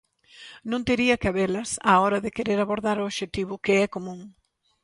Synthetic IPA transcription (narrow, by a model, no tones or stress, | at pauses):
nõnt̪eɾiɐkaβelɐsa̰ɔɾɐðɪkeɾeɾaβoɾðaɾʊoʃet̪iβ̞ʊkɪɛkomũŋ